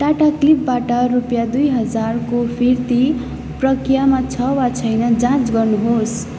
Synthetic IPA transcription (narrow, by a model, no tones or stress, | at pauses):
ʈaʈaklip̚baʈʌrupjad̪ujɦʌd͡zarkopʰirt̪i | prʌkrijamat͡sʰʌwat͡sʰʌjnʌd͡zãt͡sɡʌrnuɦos